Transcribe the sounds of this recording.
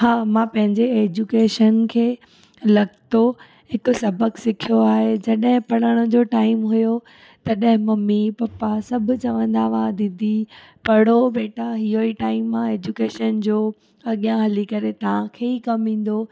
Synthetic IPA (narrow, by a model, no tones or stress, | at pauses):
haːmãpɐ̃ɦɪ̃ɲd͡ʑeeːd͡ʑukeːʃənkʰeː | lɐɡt̪o | hɪksɐbʱəksɪkʰijoaːɦed͡ʑɐɗɦɪ̃pɐɽəɽ̃ʊ̆d͡ʑoːʈaːɪmɦʊjo | t̪ɐɗɦɪ̃mɐmːipɐpasɐbʱʊ̆t͡ɕɐʋə̃nd̪aːʋãd̪ɪd̪ʱi | pɐɽ̤obeːʈaɦiɦoiʈaːɪmːãeːd͡ʑukeːʃənd͡ʑoː | ɐɠjãɦɐlikɐɾet̪ɐʋ̤ãkʰeːikɐmĩːn̆d̪oː